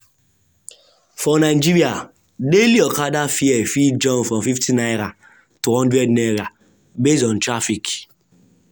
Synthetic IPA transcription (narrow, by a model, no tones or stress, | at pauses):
fɔ̃naid͡ʒiɾia | deliɔkadafiɛfid͡ʒɔ̃nfɾɔ̃mfiftʰĩnajɾa | tuhɔ̃ndɹɛdneɾa | besɔ̃ntɾafik